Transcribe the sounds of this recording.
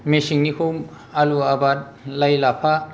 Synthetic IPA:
mesiŋnikʰowm | aluabat̚ | lajlapʰa

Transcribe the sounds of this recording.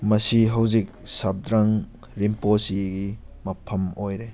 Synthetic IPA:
mɐsiɦɐwzik̚sɐb̚dɾaŋ | ɾimposiɡi | mɐpʰɐmojɾe

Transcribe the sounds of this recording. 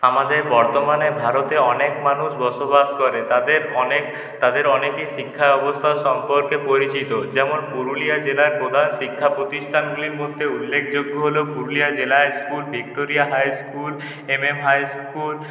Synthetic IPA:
amad̪eɾbɔɾt̪omanebʱaɾot̪eɔnekmanuʃbɔʃobaskɔɾet̪ad̪eɾɔne | t̪ad̪eɾɔnekejʃikʰːaɔbost̪ʰaʃɔmpoɾkepoɾit͡ɕit̪od͡ʑɛmonbuɾuliad͡ʑelaɾpɾod̪ʱanʃikʰːapɾot̪isʈʰanɡuliɾmod̪ʱːeulːekʰd͡ʑoɡːoɦolobuɾulijad͡ʑelaskulbʱik̚ʈoɾijaɦajskul | ememɦajskul

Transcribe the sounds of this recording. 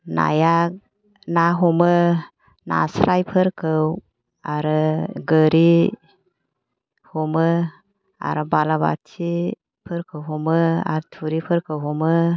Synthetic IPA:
na̰ja | naɦɔmə | na̰sɾajpʰɯɾkʰɯw | aɾɯɡəɾi | hɔmɯ | a̰ɾɯbalaba̰tʰi | pʰɯɾkʰɯwɦɔmɯa̰ɾtʰuɾipʰɯɾkʰɯwɦɔmɯ

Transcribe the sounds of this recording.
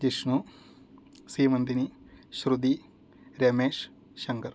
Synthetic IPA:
d͡ʒiʂnu | siːmɐnd̪iniʃɾud̪i | ɾemeːʂ | ʃɐŋɡɐɾ

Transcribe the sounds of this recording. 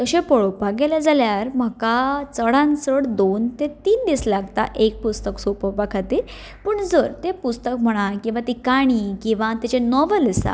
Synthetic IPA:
t̪əɕẽpəɭopaɡelad͡zaljaɾm̤əkat͡səɽãnsəɽd̪ont̪et̪iːnd̪islaɡt̪a̰ʔek̚pust̪əksopəpakʰat̪i | pəɳd͡zəɾt̪epust̪əkm̤əɽ̃akĩw̃ʋat̪ikaɽ̃ikĩw̃ʋãt̪et͡ɕẽnɔʋələsa̰

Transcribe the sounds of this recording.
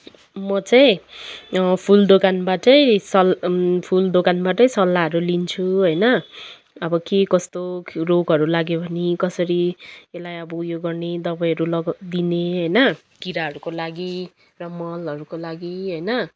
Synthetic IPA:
mʌt͡saĩ | pʰuld̪okanbaʈʌĩsʌlpʰuld̪okanbaʈʌĩsʌlːaʌɾulint͡sʰuɦʌjnʌ | ʌbʌkekʌst̪oroɡʱɦʌɾulaɡjebʱʌnikʌsʌɾielajʌbʌujoɡʌrned̪ʌbajɦʌɾulʌɡd̪ineɦʌjnʌ | kiɾaɦʌɾukolaɡi | rʌmʌlʌɾukolaɡiɦʌjnʌ

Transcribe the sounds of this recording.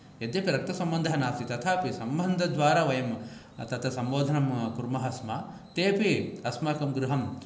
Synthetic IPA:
jɐd̪jɐpiɾɐk̚t̪ɐsɐmbɐnd̪ʱɐɐnaːsit̪ɐt̪ʰaːpisɐmbɐnd̪ʱɐd̪ʋaːɾaːʋɐjɐm | t̪ɐt̪ʰɐsɐmboːd̪ʱɐnɐmkuɾmɐɦɐsmɐ | t̪eːpiɐsmɐkɐmɡɾuɦɐm

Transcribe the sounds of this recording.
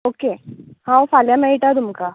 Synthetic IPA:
okehãwfaljamɛiʈat̪umka

